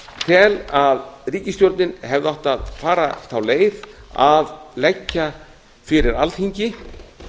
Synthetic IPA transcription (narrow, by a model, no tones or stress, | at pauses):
t̪ʰɛlaðriːcɪst̪jowɾt̪nɪnhɛvðɪɔht̪aðfaːɾaθawleːjðaðlɛcːa | fɪɾɪɾalt̪hiɲcɪ